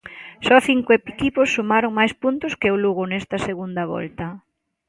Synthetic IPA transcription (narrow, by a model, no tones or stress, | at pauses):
sɔθiŋkʊepikipʊsːumaɾoŋmajspunt̪ʊskɪʊluɣʊnest̪ɐseɣund̪ɐβɔ̰lt̪ɐ